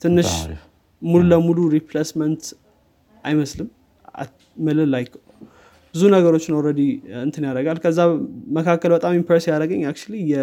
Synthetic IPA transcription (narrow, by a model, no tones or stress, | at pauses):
t̪ʰɨnːɨʃ | mululəmuluɾipʰlesmənt̪ | ʔajməslɨm | a̰ | mɨlɨlajkʰ | b̥ɨzunəɡəɾot͡ʃːnəwɾəd̪iɨnt̪ʰɨnjaɾəɡalkʰəzːaməkʰakːəlbət̪ʼamimpʰəɾsijaɾəɡəɲːak̚t͡ʃulijɛ